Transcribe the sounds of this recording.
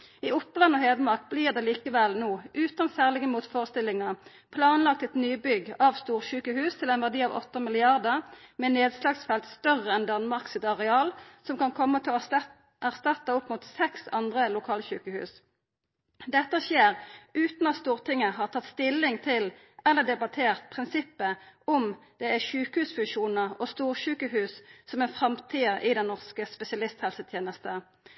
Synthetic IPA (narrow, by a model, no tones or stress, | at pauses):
iːʊplɑnɔheːd̪əmɑʁk̚bliːʁd̪ɛːliːkəʋɛlnoːʔʉːt̪ɑnsæːʁlɪɡəmuːt̪foːʁəst̪ɪlɪŋə | pʰlɑːnlɑk̚t̪ɛt̪nyːbʏɡɑʋst̪uːʁçʉːkəhʉːst̪ʰɪlɛnʋæʁd̪iːɑʋɔ̰t̪ːəmɪlɪɑʁd̪əʁmɛneːd̪slɑːɡsfɛlt̪st̪œʁəɛnd̪ɑnmɑʁksɪt̪ɑʁɛɑːlsɔmkɑnkʰɔmːət̪ʰɛlɔ | æʁst̪ɑt̪ːəʊpmuːt̪sɛksɑnd̪ʁəlʊkʰɑːlçʉːkəhʉ̰ːs | d̪ɛt̪ːəʃeːʁʉːt̪nɑt̪st̪uːʁt̪ʰɪŋːəɦɑːʁt̪ʰɑt̪st̪ɪlːɪŋt̪ʰɪl | ɛlːəd̪ɛbɑt̪ʰeːʁt̪̚pʰʁɪnsɪpːəɔmd̪̥ɛæçʉːkəhʉːsfʉŋʃuːnəʁɔst̪uːʁʃʉːkəhʉːssɔmɛnfʁɑmt̪ʰiːəʔɪd̪ɛnːɔʁskəspɛsɪɑlɪst̪hɛlsət̪ʰjeːnəst̪ə